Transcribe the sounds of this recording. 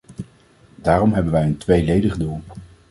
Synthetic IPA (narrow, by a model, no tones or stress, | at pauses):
daːrɔmɦɛbənʋɛjəntʋejlejdəχdulˠ